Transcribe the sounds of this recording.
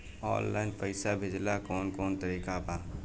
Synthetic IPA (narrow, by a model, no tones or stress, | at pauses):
ɔ̰ːnla̰ːɪnpəɪsabʱɪd͡ʒlakɔːnkɔːnt̪əɾiːkabaː